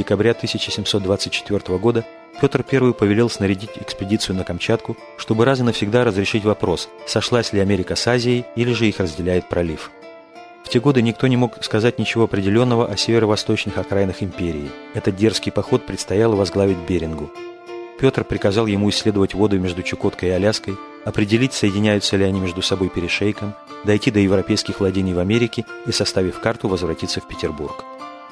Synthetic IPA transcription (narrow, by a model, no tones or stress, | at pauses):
dʲɪkɐbɾʲat̪ɨsʲɪt͡ɕɪsʲɪmso̞t̪̚d̪vat̪sɨtʲt͡ɕɪ̥t̪vʲo̞rt̪əvəɡo̞d̪ə | pʲo̞t̪r̩pʲe̞rvɨjpəvʲɪlʲelˠsnəɾʲɪdʲitʲɪkspʲɪdʲit̪sɨjʊnəkɐmt͡ɕat̪kʊ | ʂt̪o̞bɨɾazɨnəfsʲɪɡd̪aɾəzɾʲɪʂɨtʲvɐpɾo̞sːɐʂlˠasʲlʲɪɐmʲeɾʲɪkəsazʲɪɪilʲɪʐɨixrəzʲdʲɪlʲæjɪt̪̚pɾɐlʲif | ftʲe̞ɡo̞d̪ɨnʲɪk̚t̪onʲɪmo̞kskɐzatʲnʲɪt͡ɕɪvo̞ɐpɾʲɪdʲɪlʲo̞nːəvəʔɐsʲevʲɪɾəvɐst̪o̞t͡ɕnɨxɐkɾajnɨxɪmʲpʲeɾʲɪː | ɛt̪ət̪̚dʲe̞rskʲɪjpɐxo̞t̪̚pɾʲɪt̪st̪ɐjalˠvɐzɡlˠavʲɪt̚ʲbʲeɾʲɪnɡʊ | pʲo̞t̪r̩pɾʲɪkɐzɑlˠjɪmuɪsʲːlʲed̪əvətʲvo̞d̪ʊmʲe̞ʐd̪ʊt͡ɕɪko̞t̪kəjɪɐlʲaskəj | ɐpɾʲɪdʲɪlʲitʲsəjɪdʲɪnʲæjʊt̪sːəlʲɪɐnʲimʲeʐd̪ʊsɐbo̞jpʲɪɾʲɪʂejkəm | d̪ɐjtʲid̪əjɪvɾɐpʲejskʲɪxvlˠɐdʲinʲɪjvɐmʲeɾʲɪkʲɪisɐst̪avʲɪfkart̪ʊvəzvɾɐtʲit̪sːəfpʲɪ̥tʲɪrbṵrk